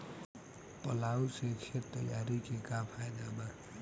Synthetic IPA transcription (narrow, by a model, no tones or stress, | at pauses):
pʌlausekʰet̪ːʌ̰jaɾikekapʰajd̪abʌ